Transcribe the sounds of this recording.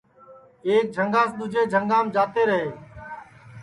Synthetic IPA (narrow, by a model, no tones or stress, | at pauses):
eːk̚d͡ʒʱəŋɡãːsɗ̪ʊd͡ʒʱeːd͡ʒʱəŋɡaːmd͡ʒaːt̪eːɾəɦeː